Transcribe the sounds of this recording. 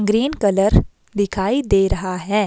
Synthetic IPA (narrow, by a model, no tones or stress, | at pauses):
ɡɾiːnkɐləɾ | d̪ɪkʰaːid̪eːɾɐɦaɦɛː